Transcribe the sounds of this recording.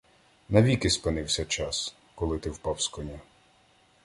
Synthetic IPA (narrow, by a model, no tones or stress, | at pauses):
nɐʋʲikɪspɪnɪwsʲɐt͡ʃɑs | kɔlˠɪt̪ɪwpɑwskɔnʲa